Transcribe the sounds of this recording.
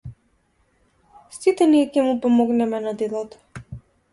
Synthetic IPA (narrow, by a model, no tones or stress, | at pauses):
sit̪ɛniɛkʲɛmupɔmɔɡnɛmɛnad̪ɛlˠɔt̪ɔ̥